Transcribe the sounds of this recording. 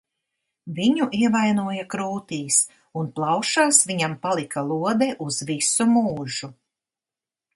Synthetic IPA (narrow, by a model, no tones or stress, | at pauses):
viɲuʔiɛvajnuɔjakɾuːt̪iːs | unplˠɑwʃaːsviɲampalˠikʰalˠuɔd̪ɛʔuzvisumuːʒu